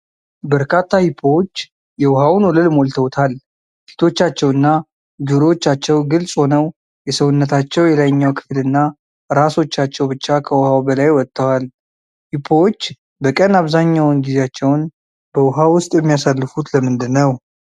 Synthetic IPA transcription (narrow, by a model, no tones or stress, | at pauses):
bəɾkʰat̪ʰːahipʰowot͡ʃː | jɛwʊhawnwɔləlmolt̪ʰəwt̪ʰal | si̥t̪ʰo̞t͡ʃːat͡ʃːɛwɨnːa | d̪uɾot͡ʃːat͡ʃːɛwɡɨlsʼho̞nəw | jɛsəwʊnːət̪ʰat͡ʃːɛwjɛlajɲːawkʰɨ̥flɨnːa | ɾaso̞t͡ʃːat͡ʃːɛwbɨt͡ʃːakʰəwhawbəlajwɔt̪ʼːəwal | hipʰːowot͡ʃː | bəkʼənaβzaɲːawnɡizeat͡ʃːɛwn | b̥əwʊɦawʊst̪ʼjɛmːijasalːɨfut̪ləmɨnd̪ɨnːəw